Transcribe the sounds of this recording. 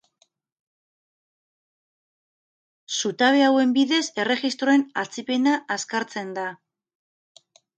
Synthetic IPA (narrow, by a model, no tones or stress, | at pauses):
sut̪aβe̞awe̞mbiðe̞se̞re̞ɣist̪ɾo̞e̞nat͡sipe̞naʔaskaɾt͡se̞nd̪a